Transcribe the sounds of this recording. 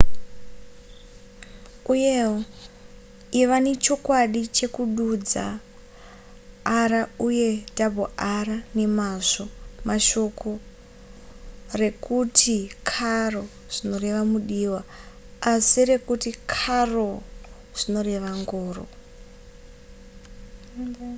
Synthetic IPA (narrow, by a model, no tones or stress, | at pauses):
uje | iʋane̞t͡ʃo̞kwaɗit͡ʃe̞kuɗud͡za̰ | ɾauje̞tabʱoarane̞maʐo̞maʃo̞ko̞ | re̞kutʰikʰaro̞ | ʐ̥ino̞re̞ʋamuɗiwaː | sire̞kutikʰaro | ʐ̥ino̞re̞ʋaŋɡoːro̰